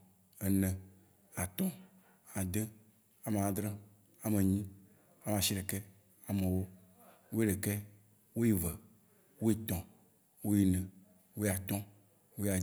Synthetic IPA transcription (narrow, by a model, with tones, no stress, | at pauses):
ɛ˨nɛ̃˨ | a˨t̪ɔ̃˦ | a˨d̪e˦ | a˨me˨a˨d̪ɾẽ˦ | a˨me˨ɲĩ˦ | a˦˨m˨ã˨ʃi˦ɖe˨kɛ˦ | a˨mẽ˨wo˦ | wo˦e˦ɖe˨kɛ˦ | wo˦ji˦vɛ˨ | wo˦je˦t̪ɔ̃˨ | wo˦ji˦nɛ̃˨ | wo˦ja˨t̪ɔ̃˦ | wo˦ja˨